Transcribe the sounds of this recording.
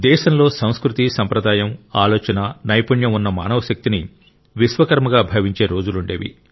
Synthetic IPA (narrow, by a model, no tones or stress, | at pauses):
d̪ɛːʃɐmlo̞ːsɐ̃w̃skɾut̪isɐmpɾɐd̪aːjɐmaːloːt͡ʃɐnɐnɐjpuɳjɐmunːɐma̰ːnɐʋɐʃɐk̚t̪ini | ʋiʃʋɐkɐɾmɐɡaːbʱɐʋiɲt͡ʃe̞ːɾo̞ːd͡ʒuluɳɖeːʋḭ